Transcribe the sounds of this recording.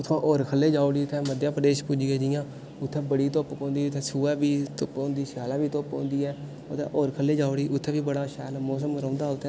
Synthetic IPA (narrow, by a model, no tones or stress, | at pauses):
ʊt̪ʰãːʔoːɾkʰəlːeːd͡ʒaːɽiːʊt̪ʰɛ̃ːməd̪jãːpɾəd̪eːʃpud͡ʒiːɡeːd͡ʒɪjãː | ʊt̪ʰːɛ̃ːbəɽiːt̪opkõːnd̪iːʊt̪ʰːɛ̃ːsuːaːbiːt̪ʊpõːnd̪iːʃjaːlãːʋiːt̪opõ̰ːnd̪iːɛː | ʊt̪ʰɛ̰̃ːʔoːɾkʰəlːeːd͡ʒaːʊɽiːʔʊt̪ʰːɛ̃ːʋiːbəɽaːʃɛ̰ːlmoːsəmɾãːnd̪aːʊt̪ʰɛ̃ː